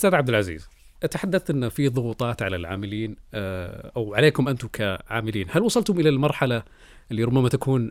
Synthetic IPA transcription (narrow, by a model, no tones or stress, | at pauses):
st̪aːðʕab̚d̪ɪlʕazḭːz | ʔt̪aħad̪ːaθt̪ʔɪnːafiðˤʊɣuːt̪ˤɑːt̪ʕalalʕa̰ːmɪliːn | ʔawʕaleːkʊmʔant̪ʊmkʰaʕa̰ːmɪliːnhalwɑsˤɑlt̪hʊmʔɪlalmɑɾˤħala | ʔɪlːiɾʊbːamat̪akuːn